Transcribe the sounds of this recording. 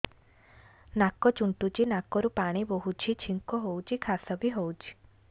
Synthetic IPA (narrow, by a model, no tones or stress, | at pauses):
nakɔt͡ʃuɳʈut͡ʃinakɔɾupaɽ̃iboɦut͡ʃʰit͡ʃʰiŋkɔɦowt͡ʃʰikʰasɔbiɦowt͡ʃʰi̥